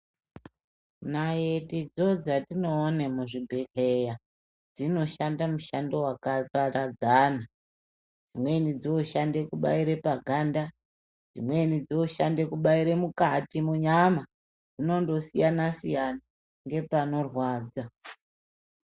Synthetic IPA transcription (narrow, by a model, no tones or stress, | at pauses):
najetid͡zo̞d͡zatino̞ːnemuʐibʱeɬeja | d͡zino̞ʃandamuʃando̞wakatarad͡zaːna | d͡zimwe̞nid͡zioʃande̞kuɓa̰iɾe̞paɡʱanda | d͡zḭmwe̞nid͡zioʃa̰nde̞kuɓaiɾe̞mukatimuɲama | d͡zino̞ndo̞sijanasijana | ŋɡe̞pano̞rwaːd͡za